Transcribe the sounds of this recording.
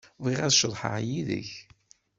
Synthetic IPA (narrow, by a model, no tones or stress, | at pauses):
vʁiʁæðʃəðˤħə̰ʕjiðə̰ç